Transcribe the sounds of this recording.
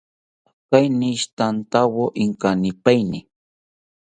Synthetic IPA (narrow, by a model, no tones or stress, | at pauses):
kajnɪʃt̪ant̪awoʔɪŋkanɪpajnɪ